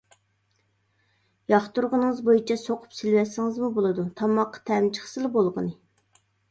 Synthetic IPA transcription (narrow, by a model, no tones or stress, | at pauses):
jɑχt̪uɾʁənɨŋɨzbojit͡ʃʰɛsoqʰʊ̥psɪlwɛsːɪŋɨzmubolˠɨd̪ut̪ʰɑmːɑqːɑ̥t̪ʰɛmt͡ʃʰə̥χsɨlˠɨbolˠʁənɨ